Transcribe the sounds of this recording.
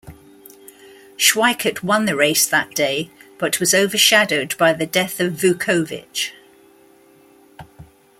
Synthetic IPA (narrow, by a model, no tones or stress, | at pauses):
ʃwaɪkʰətʰwʌ̃nðəɹeɪsðəʔd̥eɪb̥ʌʔʰwɒzəʊvəʃadəʊdbaɪðədɛθəvːʉˑkʰəʊvɪ̰t͡ʃ